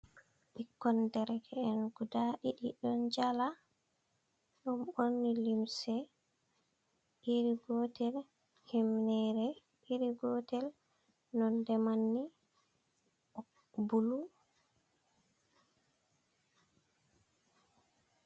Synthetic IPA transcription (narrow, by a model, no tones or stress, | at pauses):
ɓikːɔndɛɾɡɛːnɡudaɗiɗiɗɔnd͡ʒala | ɗumonːilimsɛ | ʔiɾiɡɔtɛl | himnɛɾɛ | iɾiɡɔtɛl | nɔndɛmanːi | ɔ | bulu